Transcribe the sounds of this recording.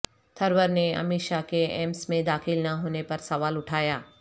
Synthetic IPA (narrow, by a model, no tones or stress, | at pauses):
t̪ʰɐɾʋəɾneɐ̰mɪʃakeɛ̰ːmsmẽd̪aːxɪlnaɦoːnepɐɾsɐʋaːlʊʈʰaːjaː